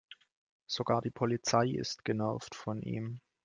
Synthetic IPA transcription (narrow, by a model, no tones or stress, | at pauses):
z̥oɡaːɐdiːpʰɔlit͡saɪʔɪ̰stɡ̥ənɛɐftfɔnʔḭːm